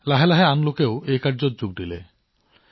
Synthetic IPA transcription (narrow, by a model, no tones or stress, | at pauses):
laɦelaɦeanlokeʊejkaɾd͡ʒɔtd͡ʒuɡ̚dile